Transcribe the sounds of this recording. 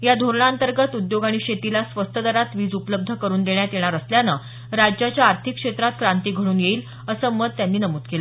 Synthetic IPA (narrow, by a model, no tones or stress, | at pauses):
jad̪ʱoɾɳaənt̪əɾɡət̪ud̪joɡaɽ̃iɕet̪ilasʋəst̪ʰəd̪əɾat̪ʋiːd͡zupələb̚d̪ʱəkəɾuːnd̪eɳjat̪eɽ̃aɾəsljanə | ɾad͡ʑjat͡ɕjaːɾt̪ʰikːʂet̪ɾat̪kɾant̪iːɡʱəɽuːnjeiːl | əsəməd̪̚t̪janːiːnəmuːt̪kelə